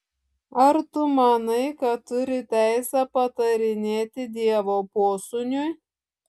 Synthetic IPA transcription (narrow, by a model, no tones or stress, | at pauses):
ɐɾt̪ʊmɐnɐɪkɐʊɾʲɪt̪ʲæˑɪsʲæpɐt̪ɐɾʲɪnʲeːt̪ʲɪd̪ʲiɛʋoːpoːsʊnʲʊj